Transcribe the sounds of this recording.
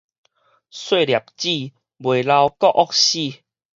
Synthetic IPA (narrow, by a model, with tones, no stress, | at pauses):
swe˥˧lja˨˩p̚t͡ɕi˥˧˨ | bwe˨˩la˧wkɔ˦˧ʔɔ˦k̚ɕi˥˧˨